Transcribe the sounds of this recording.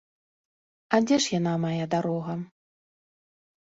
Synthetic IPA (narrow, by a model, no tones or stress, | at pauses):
ɐd͡zʲɛʂjanamajad̪aɾɔɣɐ